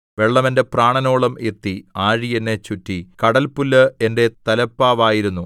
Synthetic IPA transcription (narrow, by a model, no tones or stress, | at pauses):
ʋe̞ɭːɐmende̞praːɳɐno̞ːɭɐme̞t̪ːiaːɻienːe̞t͡ɕutːikɐɽɐlpulːɐe̞nde̞t̪ɐlɐpːaːʋaːjiɾunːu